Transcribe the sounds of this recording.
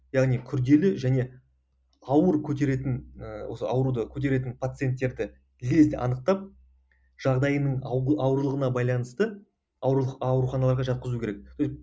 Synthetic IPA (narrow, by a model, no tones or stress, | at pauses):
jɑʁnijkʲʰʏɾd̪e̞lɪʒæne̞ | ɑwəɾkʲʰɵt̪e̞ɾe̞t̪ɪnwo̞səɑ̰wɾud̪əkʲʰɵt̪e̞ɾe̞t̪ɪnpʰat̪sɨje̞nt̪ːe̞ɾd̪ɪ | le̞zd̪ɪʔɑ̰nəq̚t̪ɑp̚ | ʒ̥ɑʁd̪ɑjənəɴɑwɾlˠəʁənɑbɑjlˠɑnəst̪ə | ɑɑwɾuχɑnɑlˠɑɾʁɑʒɑt̪̚qəzukʲʰeɾek̚so